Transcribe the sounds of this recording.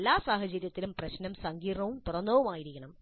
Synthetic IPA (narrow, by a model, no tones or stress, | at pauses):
lːaːsaːɦɐt͡ɕɐɾjɐt̪ːilumprɐɕnɐmsɐŋɡiːrɳɐʋump̪urɐnːoːʋumaːjiɾikʲːɐɳɐm